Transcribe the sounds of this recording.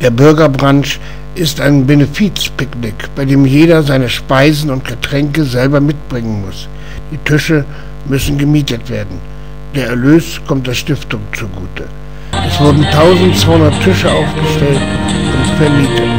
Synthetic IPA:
d̥eːɐbʏɐɡɐbʁanʃ | ʔɪstaɪnbenɪfiːt͡spɪknɪkb̥aɪdeːmjeːɾɐzaɪnəʃpaɪzn̩ʊntɡ̥ətʁ̥ɛŋkəzɛlbɐmɪt̚b̥ʁɪŋənmʊs | d̥iːtʰʏʃə | mʏsn̩ɡəmiːtətv̥eːɐdn̩ | d̥eːɐɛɐløːstkʰɔmt̚d̥eːɐʃtɪftʊŋt͡suɡuːtʰə | ʔɛsv̥ʊɐdn̩tʰaʊzn̩tt͡sv̥aɪhʊndɐtʰʏʃəʔaʊfɡ̥əʃtɛltʔʊntfɛɐmiːtət

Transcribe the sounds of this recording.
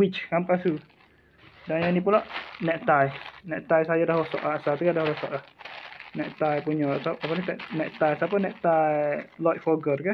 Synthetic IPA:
wit͡ʃkampasu | danjanipulaʔnɛʔ̚t̪ajnɛʔt̪ajsajadahɾosɔ̰ʔasat̪ukadahɾosɔ̰ʔlahnɛʔt̪ajpuɲɔsaapalat̪ɛʔnɛʔt̪ajsapənɛʔ̚t̪ajlɔt̪̚fɔɡərka

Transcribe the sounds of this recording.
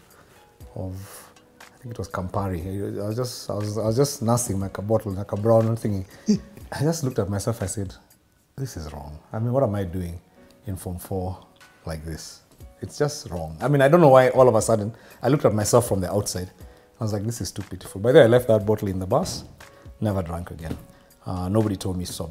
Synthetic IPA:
ʌv | aɪθɪ̃ŋkɪtwʌz̥kʰə̃mpaɹiaɪaɪwʌzd͡ʒʌstaɪwʌzaɪwʌzd͡ʒʌsnasɪ̃ŋmaɪkbɔɾl̩̃ˠnakabɹãʊ̃nə̃nθɪ̃ŋkɪ̃ŋaɪd͡ʒʌstlʊk̚tɨt̚maɪsɛlˠfaɪsɛd | ðɪsɨzɹɔ̰̃ŋaɪmĩnwʌɾãmaɪdʉɪ̃ŋ | ɨ̃nfɔɱfɔ | laɪk̚ðɪs | ɨtsd̥ʒ̥ʌstɹɔ̃ŋaɪmĩnaɪdõnːoʊwaɪʔɔlˠʌvəsʌdⁿn̩ | ʔaɪlʊk̚tət̚maɪsɛlˠfɹʌ̃mðiʔaʊtsaɪd | naɪwʌzlaɪk̚ðɪsɨz̥tʰupʰɪɾə˞flˠbaɪðəaɪlɛft̚ðət̚b̥ɔɾl̩ˠɨ̃nðəbʌs | nɛvə˞dɹæ̃ŋkɨɡɛ̃n | ʌnoʊbəɾitʰoʊlˠd̚misɔ

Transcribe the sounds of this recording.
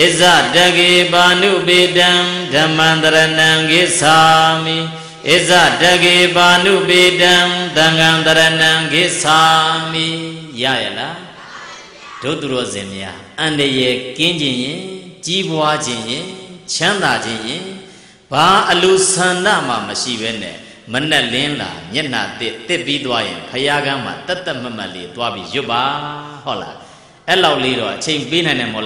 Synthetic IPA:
ʔɪʔza̰daɡebanṵpedã | dãmãnd̪əɾənãŋɡesami | ʔɪʔza̰daɡebanṵpedãt̪ãŋɡãnd̪əɾənãŋɡesamija̰jɛ̰̃la | d̥o̰t̪uɾɔ̰zɪ̰̃mja̰ʔãndəjɛkɪ̃ɲd͡ʑɪ̃jɪ̃t͡ɕibwad͡ʑɪ̃jɪ̃t͡ɕʰãnd̪ad͡ʑɪ̃jɪ̃ | b̥aʔəlusãnda̰m̥a̰məʃḭbɛnɛ̰ | mən̥ɛʔlɪ̃la̰mjɛʔn̥a̰t̪ɪt̪ɪpːit̪wajɪ̰̃pʰəjaɡãm̥a̰t̪ɛt̪ɛʔm̥am̥ã̰ʔlḛt̪wabjḭjʊʔpːahɔʔla̰ | ʔɛlaʊʔleɾɔ̰ʔət͡ɕʰẽɪ̃məpenãɪ̃ndãmɔl

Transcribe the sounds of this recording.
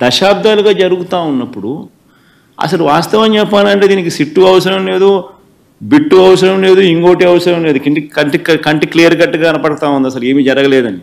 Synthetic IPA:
d̪ɐʃaːb̚d̪ʱaːluɡaːd͡ʒɐɾuɡut̪aːunːɐpːuɽu | ɐ̰sɐluʋaːst̪ɐʋɐɲt͡ʃɛpːaːnɐɳʈeːd̪iːnikisiʈːuɐʋɐsɐɾɐmle̞ːd̪u | biʈːuɐʋɐsɐɾɐmle̞ːd̪uiŋkoːʈiɐʋɐsɐɾɐmle̞ːd̪ukiʈkɐɳʈikkɐɳʈiklijɐɾɡɐʈːɐɡaːɐnɐpɐɽɐt̪aːund̪iɐsɐlue̞ːmiːd͡ʒɐɾɐɡɐlɛːd̪ɐni

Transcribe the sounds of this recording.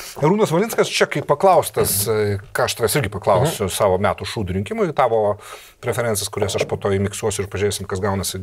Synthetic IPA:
ɾuːnɐsʋɐlʲɪnskɐst͡ʃʲɛkɐɪppɐklˠɐʊsʲt̪ɐskɑːɐʃt̪ʋʲɛsɪɾʲɡʲɪpɐklˠɐʊsʲʊsɑːʋoːmʲæːt̪ʊʃuːd̪ʊɾʲɪŋkʲɪmʊɪt̪ɑːʋoː | pʲɾʲɛfʲɛɾʲɛnsɛskʊɾʲɛsɐʃpoːt̪oːimʲɪkst̪uɔsʲʊɪɾpɐʒʲɾʲeːsʲɪmkɐsɡɐʊnɐsʲɪ

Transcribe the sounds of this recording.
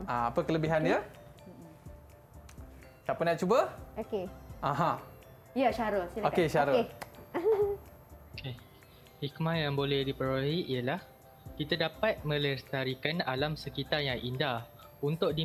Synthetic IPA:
aapəkələbiɦandiə | sapənaʔt͡ʃubəokeʔaɦã | jaʃaɾəsilaokeʃaɾəe | oke | hikmãjaŋbolɛhdipəɾoɦiʔiəlah | kit̪adapat̪̚mə̃ləst̪aɾikanalamsəkit̪arjaŋʔinda | unt̪ʊk̚di

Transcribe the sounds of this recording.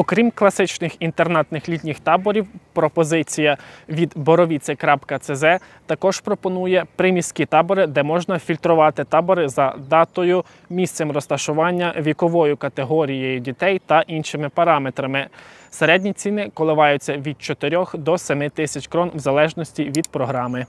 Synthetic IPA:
ɔkɾʲimklˠɐsɪt͡ʃnɪxint̪ernɑt̪nɪxlʲit̪ʲnʲɪxt̪ɑbɔɾʲiwpɾɔpɔzɪt͡sʲijɐʋʲid̪bɔɾɔʋʲit̪sʲɛjkɾɑpkɐt̪sɛzɛ | t̪ɐkɔʒ̥pɾɔpɔnujɛpɾɪmʲisʲkʲit̪ɑbɔɾɪd̪ɛmɔʒnɐfʲilʲt̪ɾʊʋɑt̪ɪt̪ɑbɔɾɪzɐd̪ɑt̪ɔjʊ | mʲist̪sɛmrɔst̪ɐʃʊʋɑnʲːɐʋʲikɔʋɔjʊkɐt̪eɦɔɾʲijejʊdʲit̪ɛjt̪ɐʔinʃɪmɪpɐɾɑmet̪ɾɐmɪ | seɾɛdʲnʲit͡sʲinɪkɔlˠɪʋɑjʊt͡sʲːɐʋʲid̪̚t͡ʃɔt̪eɾʲɔxd̪ɔsʲɛmɪt̪ɪsʲɐt͡ʃkɾɔnwzɐlˠɛʒnɔsʲtʲiʋʲid̪̚pɾɔɦɾɑmɪ

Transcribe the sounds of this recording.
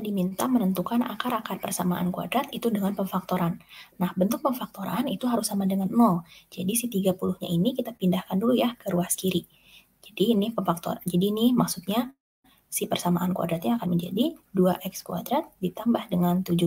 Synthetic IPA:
dimint̪amənənt̪ukana̰kaɾakarpərsamaʔa̰nkua̰dɾat̪it̪udəŋanpəmfak̚t̪oɾanːahbənt̪ʊk̚pəɱfak̚t̪oɾanit̪uɦaɾusːamadəŋanmɔld͡ʒadisit̪iɡapuluhɲa̰inikit̪apindahkandulujahkəɾuaskiɾi | d͡ʒadinɪhpəmfak̚t̪o̰ɾad͡ʒadinɪhmaksut̪̚ɲa | sipərsamaʔankua̰dɾat̪̚ɲaːkanməɲd͡ʒa̰diduaʔɛkskua̰dɾat̪̚dit̪ambahdəŋant̪ud͡ʒu

